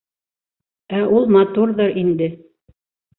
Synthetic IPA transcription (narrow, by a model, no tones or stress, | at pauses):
æʔulˠmɑt̪uɾðɤɾind̪ɘ